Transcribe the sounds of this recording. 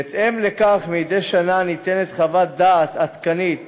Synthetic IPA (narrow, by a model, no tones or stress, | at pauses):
et̪emle̞kaχmijd̪ejʃananit̪enet̪χavat̪̚d̪aːt̪at̪kanit̪